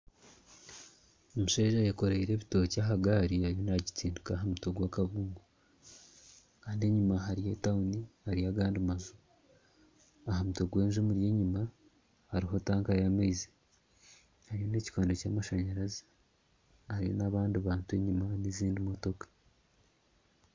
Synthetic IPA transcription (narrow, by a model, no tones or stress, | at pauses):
omuʃeːʒajeko̞ɾaiɾe̞βito̞ːcaɦaɡaːɾihaɾjo̞naɟitiːndukaɦamutoɡwakaβuːmɡo | kaːndieɲumaɦaɾijetaunihaɾijaɡaːndimazu | aɦamutoɡwe̞ːnʒumuɾije̞ːɲima | haɾiɦo̞taːŋkajamezi̥ | haɾjo̞ne̞ːci̥kwaːndocaːmaʃaɲaɾazi̥ | haɾijo̞̰naβaːndiβaːntue̞ɲimaniziːndimo̞to̞kḁ